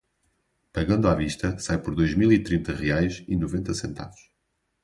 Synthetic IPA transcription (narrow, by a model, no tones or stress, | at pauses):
pɐɣɐ̃nd̪uaviʃt̪ɐsajpɔɾðojʒmilˠit̪ɾĩnt̪ɐʁiajʃinuvẽnt̪ɐsẽnt̪a̰vuʃ